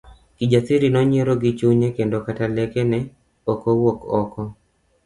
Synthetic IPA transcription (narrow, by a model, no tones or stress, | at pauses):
kid͡ʒasiɾinɔɲeɾoɡit͡ʃuɲekendokatalɛkenɛ | okowokɔkɔ